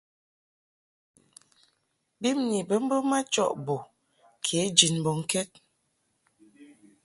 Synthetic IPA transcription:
bi˦mni˨bə˦m̩˦bə˦ma˦t͡ʃɔ̰˦˨ʔbo˨ | kʰe˨˦d͡ʒi˨nbɔ˨ŋ̩˦kɛ˦t̚

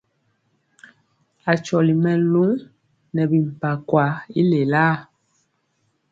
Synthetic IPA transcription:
a˨t͡ʃɔ˨li˨mɛ˨lu˦ŋ | nɛ˨bi˨m̩˨pa˨kwa˨˦i˦le˨la˦

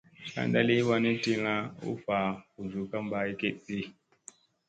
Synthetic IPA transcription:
ka̰˦n˦da˦li˦wa˦ni˦ti˦la˦ṵ˦fa˨ku˨zu˨ka˦mba˦i˦ke˦ʔɗi˦

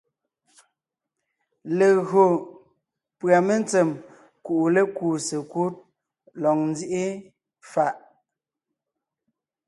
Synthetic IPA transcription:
le˨ɣo˨ | pɰa˨me˦n˦t͡se˨m | ku˨ʔu˨le˦kuː˨se˨ku˦t̚ | lɔ˨ŋn˦d͡zi˦ʔe˦ | fa˨ʔ

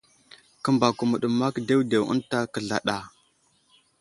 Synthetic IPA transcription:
kə˦mba˨ku˨mə˨ɗə˨ma˦kde˦wde˨wə̰˦nta˦kə˨ɮa̰˨ɗa˨

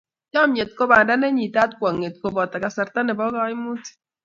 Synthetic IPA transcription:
tɔ˦mje˨t̚ko˦ba˨nda˦nɛ˦ɲi˨ta˦t̚kwa˨ŋːe˨t̚ko˦bɔ˨ta˨ka˨sa˨ɾta˦nɛ˨bɔ˦ɣɔ˦i˦mu˦ti̥˨

